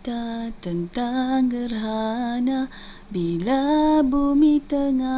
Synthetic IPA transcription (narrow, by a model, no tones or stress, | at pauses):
t̪at̪ənt̪aŋɡəɾɦana | bilabumit̪əŋa